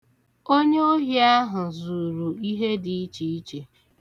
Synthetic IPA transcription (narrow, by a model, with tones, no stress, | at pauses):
o˦ɲe˦o˦ɦi˦a˦ɦʊ˨zu˨ɾu˨i˦ɦe˦di˨i˦t͡ʃi˨i˦t͡ʃe˨